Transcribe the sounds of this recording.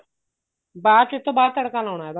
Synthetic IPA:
baːɾt͡ʃɪt̪ʰːõːbaːɾt̪əɽkaːlaːɳ̃aːɦɛːba

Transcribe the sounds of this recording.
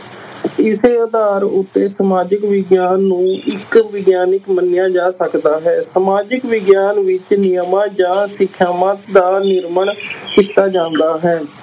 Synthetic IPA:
ɪseːəd̪aːɾʊt̪ːeːsəmaːd͡ʒəkʋɪɡjaːnːũːʔɪkʋɪɡjaːnɪkmənɪjãːd͡ʒaːsəkd̪aːɦɛːsəmaːd͡ʒəkʋɪɡjaːnʋɪt͡ʃnɪjəmãːd͡ʒãːsɪkʰːaːmat̪d̪aːnɪɾməɳkɪst̪aːd͡ʒãːnd̪aːɦɛː

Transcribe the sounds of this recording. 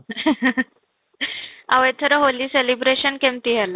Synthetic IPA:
aʋəjt̪ʰəɾəɦoliːselibɾeɕənkɛ̃mt̪iɦɛla

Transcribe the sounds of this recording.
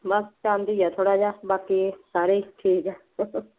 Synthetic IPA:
bɐst͡ʃaːnd̪iːjat̪ʰoːɽaːd͡ʒaːbaːkisaːɾiːʈʰiːkɛ

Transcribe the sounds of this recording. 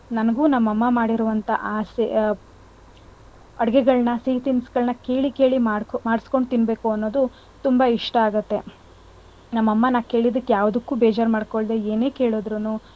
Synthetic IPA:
nɐnɐɡuːnɐmːɐmːɐmaːɽiɾuʋɐnt̪ʰɐ̰ʔaːs | ɐɽɡɛɡɐɭnɐsiːt̪insɡɐɭnɐke̞ːɭike̞ːɭimaːɽmaːɽisko̞ɳɖt̪inbe̞ːkuɐnːo̞ːd̪u | t̪umbɐiʂʈɐaːɡɐt̪ːe̞ | nɐmːɐmːɐnaːke̞ːɭid̪ɐkːejaːʋd̪ukːuːbeːd͡ʒaːɾmaːɖko̞ɭd̪eeːne̞ːke̞ːɭod̪ɾunuː

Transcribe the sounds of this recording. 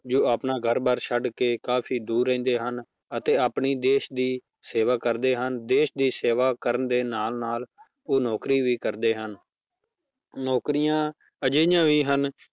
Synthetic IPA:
d͡ʒoːaːpnaːɡʱəɾbəɾʃʰəɖkeːkaːpʰiːd̪uːɾɛ̃ːnd̪eːɦən | ət̪eːaːpɳiːd̪eːʃd̪iː | seːʋaːkəɾd̪eːɦənd̪eːʃd̪iːseːʋaːkəɾənd̪eːnaːlnaːl | oːnɔːkɾiːʋiːkəɾd̪eːɦən | nɔːkɾɪjãː | əd͡ʒejãːʋiːɦən

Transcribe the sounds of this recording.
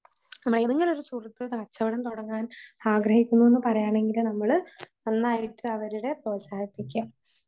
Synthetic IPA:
nɐmːɐɭeðeŋɡilo̞ɾusurɐt̪ːɨkɐt͡ɕːɐʋiɽɐnt̪oɽɐŋːaːnaːɡɾɐhikʲːunːue̞nːɨpɐrɐjaːɳe̞ŋɡilnɐmːɐɭ | ɐnːaːjiʈːɨɐʋɐɾuɽe̞proːsaːhɐt̪ːikʲːam

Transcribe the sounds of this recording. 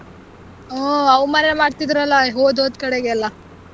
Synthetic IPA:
oːɐwmanemaːɽt̪id̪ɾɐlːɐɦoːd̪ɦoːd̪kɐɽeɡeɐlːɐ

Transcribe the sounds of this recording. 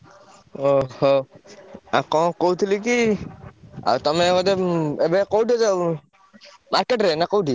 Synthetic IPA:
oho | a̰kɔkowut̪ʰiliki | a̰t̪ɔmekɔd̪eebekowʈise | maɾkeʈɾenakowʈʰi

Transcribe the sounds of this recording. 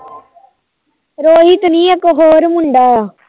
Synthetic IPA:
ɾoːɦiːt̪ʊnĩːɐkoɦoːɾmʊɳɖaːaː

